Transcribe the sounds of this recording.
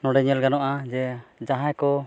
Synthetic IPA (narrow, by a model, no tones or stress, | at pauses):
nɔɖɛɲɛlɡanɔʔad͡ʒɛd͡ʒaɦajkɔ